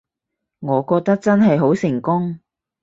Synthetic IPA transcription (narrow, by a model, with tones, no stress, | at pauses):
ŋɔː˨˧kɔː˧k̚t̪ɐ˥k̚t͡sɐ˥nɦɐ˨jɦo˨˥wsɪ˨˩ŋkʊ˥ŋ